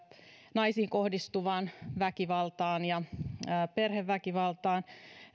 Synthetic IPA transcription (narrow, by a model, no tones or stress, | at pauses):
nɑisiːŋkohdist̪uʋɑːnʋækiʋɑlt̪ɑːnjɑː | perheʋːækiʋɑlt̪ɑːn